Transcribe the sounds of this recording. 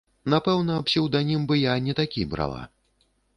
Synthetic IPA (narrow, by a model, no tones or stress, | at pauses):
napɛwnɐːpsʲiwd̪anʲimbɨjanʲɛt̪akʲibɾa̰lˠa̰